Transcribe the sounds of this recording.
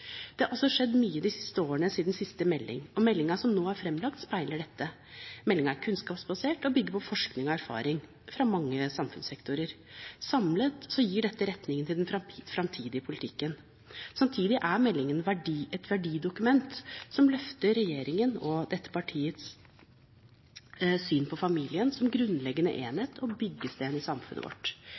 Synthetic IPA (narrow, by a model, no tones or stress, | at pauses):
d̪̥ɛhɑɾɔsːɔʂɛd̪ːmyːəd̪ɪsɪ̥st̪əoːəɳəsiːd̪nsɪst̪əmɛlːɪ̰ŋɔmɛlːɪŋɑʂɔmnoːæɾfɾɛmlɑk̚t̪spæɪləɖɛt̪ʰːə | mɛlːɪŋɑæɾkʰʉnskɑːpsbɑseːʈɔbʏɡːəɾpʰɔfɔʂknɪŋɔæɾfɑ̰ːɾɪŋ | fɾɑmɑŋːəsɑmfʉnsɛkt̪ʊɾəɾ | sɑmlət̪sɔjiːɖɛt̪ːəɾɛt̪nɪŋənt̪ʰɪld̪ɛnɾfɾɑmt̪ʰiːd̪ɪəpʰʊlɪt̪ʰɪkːən | sɑmt̪ʰiːd̪ɪʔæɾmɛlːɪŋənʋæɖɛt̪ʋæɖiːd̪ʊkʉmɛnt̪sɔmlœft̪əɾɛjeːɾɪŋənɔd̪ɛt̪ːə̥pɑʈʰiːət̪s | syːnpʰɔfɑmiːlɪənsɔmɡɾʉnlɛɡːənə̰ʔeːnət̪ʰɔbʏɡːəst̪eːnɪsɑmfʉnə̰ʋʔɔ̰ʈː